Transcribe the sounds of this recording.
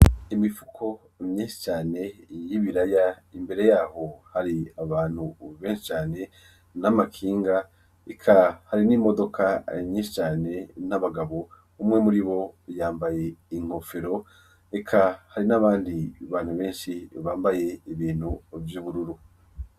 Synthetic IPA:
imifu̥kʰo̞ | mɲiːnʃi̥t͡ʃaːne̞jiβiɾaja | imbe̞ɾe̞jaːho̞haɾiaβaːn̥huβeːnʃi̥t͡ʃaːne̞ | namakʰiːŋɡa | ekʰahaɾinimo̞do̞kʰaimɲiːnʃit͡ʃaːne̞naβaɡaβo̞ | umŋe̞muɾiβo̞jaːmbaje̞iŋ̥o̞feɾo̞ | ekʰahaɾinaβaːndiβaːn̥huβe̞ːnʃiβaːmbaje̞iβiːn̥huvjuːβuɾuɾu

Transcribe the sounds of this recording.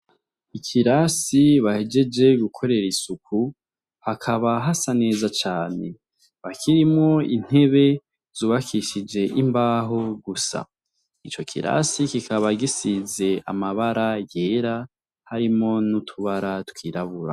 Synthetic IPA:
ikʰiɾasiβahe̞d͡ʒe̞d͡ʒe̞ɡukʰo̞ɾe̞ɾisukʰu | hakʰaβaɦasane̞ːzat͡ʃaːne̞ | βakʰiɾimŋo̞in̥e̞βe̞ | z̥uːβakʰiʃid͡ʒe̞ʔimbaːɦoɡusa̰ | it͡ʃo̞kʰḭɾa̰sikikʰaβaɡisize̞a̰maβaɾaje̞ɾa | haɾimŋo̞nutʰuβaɾatwiːɾaβuɾa̰

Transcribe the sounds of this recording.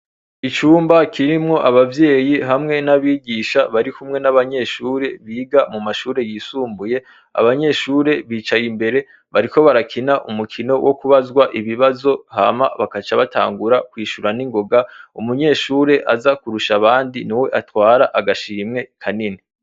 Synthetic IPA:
it͡ʃuːmbakʰiɾimŋo̞ʔaβavje̞ːjiɦamŋe̞naβiːɟiːʃaβaɾikumŋe̞naβaɲe̞ʃuːɾe̞βiːɡamumaʃuːɾe̞jiːsuːmbuje̞ | a̰βaɲe̞ʃuːɾe̞βiːt͡ʃajimbe̞ɾe̞ | βaɾiko̞βaɾakʰinaʔumukʰino̞wʔokuβazɡwaʔiβiβazo̞hamaβakat͡ʃaβata̰ːŋɡuɾakwiːʃuɾaniŋɡo̞ɡaumuɲe̞ʃuːɾe̞ʔazakuɾuʃaβaːndiniwe̞ʔatwaːɾaʔaɡaʃiɾimŋe̞kʰanini

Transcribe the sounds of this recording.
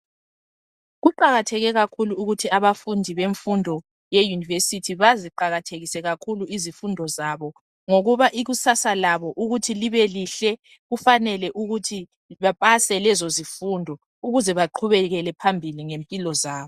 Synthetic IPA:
ɣuǃaɣatʰɛɣɛɣakʰuluːɣutʰiaβafundʱiβeɱfundʱɔ | jejunivesitʰiβaziǃaɣatʰeɣisɛɣakʰuluizifundʱɔzaβɔ | ŋoɣuβaʔiɣusasalaβɔʔuɣutʰiliβɛliɬɛ | ɣufanɛlɛʔuɣutʰi | βapʼasɛlɛzozifundʱɔ | uɣuzɛβaǃʰuβɛɣɛlɛpʰambʱiliŋempʼilɔzaːβɔ

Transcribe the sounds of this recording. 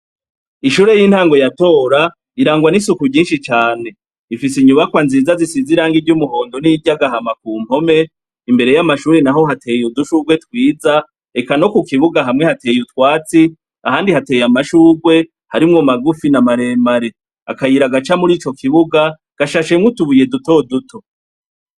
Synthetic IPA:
iʃuːɾe̞jiːn̥haːŋɡo̞jato̞ːɾa | iɾaːŋɡwanisukuɟiːnʃit͡ʃaːne̞ | ifisiɲuβakwanzizazisiziɾaːŋɡivɟumuɦo̞ːndo̞niɟaɡaɦamak̚uːm̥ho̞me̞ | imbe̞ɾe̞jamaʃuːɾe̞naɦo̞ɦatʰe̞juduʃuɡwe̞twiːza | ekano̞kukiβuɡaɦamŋe̞hate̞jutwaːt͡si | ahaːndihate̞ːjamaʃuːɡwe̞ | haɾimŋomaɡufinamaɾe̞ːmaɾe̞ | a̰kajiɾaɡat͡ʃamuɾiːt͡ʃo̞kʰiβuɡa | ɡ̥aʃaʃe̞mŋutuβuje̞duto̞dutʰo̞

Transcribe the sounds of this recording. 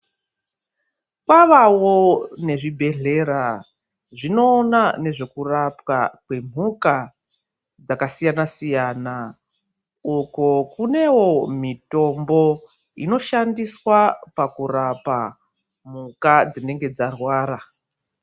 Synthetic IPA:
kwaʋawone̞ʐibʱe̞ɮe̞ɾa | ʐino̞ːnane̞ʐe̞kurapwa̰kwe̞m̤uka | d͡zakasijanasijana | ukokune̞wo̞mito̞mbo̞ | ḭno̞ʃandiswapakurapa | m̤ukad͡zine̞ŋɡe̞d͡zarwaːɾa

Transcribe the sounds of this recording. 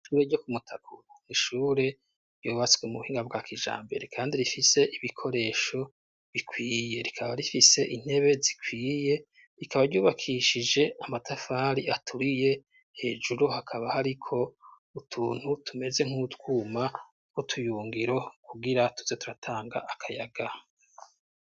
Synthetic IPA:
ʃuːɾe̞ɟokumutʰakuɾoniʃuːɾe̞ | ɾjoːβat͡sɡwemuuhiːŋɡaβɡaːkʰiʒa̰ːmbe̞ɾe̞kʰaːndiɾifise̞ʔiβikʰo̞ɾe̞ːʃo̞ | βikʰwiːje̞ɾikʰaβaɾifise̞ʔin̥he̞βe̞zikʰwiːje̞ | ɾikaβaɾɟuːβakʰiʃid͡ʒe̞amatʰafaːɾiatʰuɾije̞ | he̞̰ːd͡ʒuɾuhakʰaβahaɾikʰo̞ | utʰuːn̥hutʰume̞ze̞ŋ̥utwuːma | kotʰujuːŋɡiɾo̞kʰuɡiɾatu̥zetuɾatʰaːŋɡa̰ʔakʰaja̰ɡa

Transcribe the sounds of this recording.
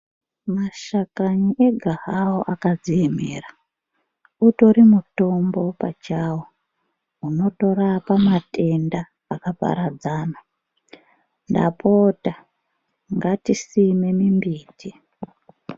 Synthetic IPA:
maʃakaɲiʔe̞ɡʱaɦawoʔakazieme̞̰ra | uto̞ɾimuto̞mbo̞pa̰t͡ʃawo | uno̞to̞ɾapamatʰe̞ndaː | kapa̰ɾad͡zaːna | nda̰pʰoːta | ŋɡatisime̞mimbiːti

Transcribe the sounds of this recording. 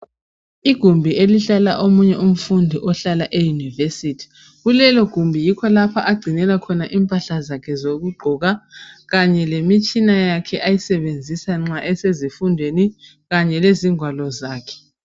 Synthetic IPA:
iɡ̥ʱumbʱiʔeliɬalaʔomuɲɛʔum̩fundʱiʔɔɬalaʔejunivesitʰi̥ | ɣulɛlɔɡ̥ʱumbʱijikʰɔlapʰaʔaɡ͡ǀʱinɛlakʰɔnaʔiːmpʼaɬazakʰɛzoɣuɡ͡ǃʱɔɣaɣaɲɛlemit͡ʃʼinajakʰɛʔajisɛβend͡zʱisaŋ͡ǁaʔɛsezifundʱweni | ɣaɲɛleziŋʱwalɔzaːkʰɛ̥

